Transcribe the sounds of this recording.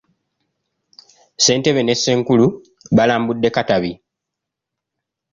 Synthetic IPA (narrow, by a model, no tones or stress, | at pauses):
se̞ːnte̞βe̞ne̞sːe̞ːŋkulu | βalaːmbudːe̞kataβi